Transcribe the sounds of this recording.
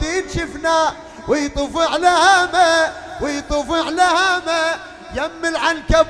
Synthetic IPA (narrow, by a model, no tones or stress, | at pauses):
iːnʃɪfna | wɪjt̪ˤufɪʕlahama | wɪjt̪ˤʊfɪʕlahama | jamːɪlʕankab